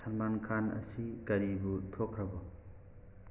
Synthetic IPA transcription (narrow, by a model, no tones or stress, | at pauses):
sɐnmankʰanɐ̰sikɐɾibutʰokʰɾɐbʌ